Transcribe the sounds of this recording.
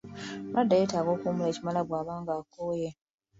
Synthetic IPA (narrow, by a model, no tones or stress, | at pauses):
nadːajetaːɡo̞ːkumuleːcimalaβwaːβaːŋɡaːkːoje